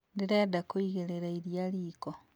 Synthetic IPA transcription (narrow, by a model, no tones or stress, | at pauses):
ndiɾeːdakoiɣeɾeɾaiɾjaliːko